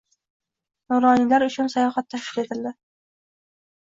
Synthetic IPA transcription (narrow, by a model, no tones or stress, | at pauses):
noɾɑnilæɾɵ̆ɕɵnsɑjɑχɑt̪ːæʃkilet̪ɘ̆ld̪ɘ